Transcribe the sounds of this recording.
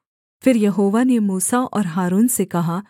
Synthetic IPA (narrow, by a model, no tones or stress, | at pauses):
fɪɾjɐɦoːʋanemuːsaʔɔːɾɦaːɾuːnsekɐɦa